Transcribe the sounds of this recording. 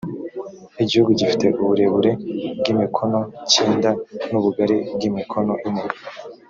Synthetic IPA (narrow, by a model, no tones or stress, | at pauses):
iɟihuɡuɟifi̥te̞ʔuβuɾe̞βuɾe̞bɡimikʰo̞no̞ciːndanuβuɡaɾeb̚ɡimikʰo̞no̞ʔimeɾ